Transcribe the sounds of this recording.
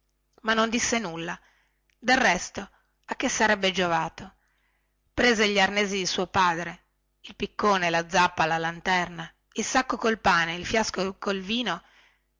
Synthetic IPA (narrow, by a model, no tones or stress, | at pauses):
manːond̪isːenulːa | d̪errɛst̪o | akːesːaɾɛbːed͡ʒovaːt̪o | pɾeːzeʎiarneːzid̪isuːopaːd̪ɾe | ilpikːoːnelad̪zːapːalalant̪ɛrna | ilsakːokolpaːneilfjaskokolviːno